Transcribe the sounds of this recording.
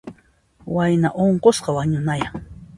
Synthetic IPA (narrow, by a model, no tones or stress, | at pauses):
wajnaʔoɴqosqɑwaɲʊnajaŋ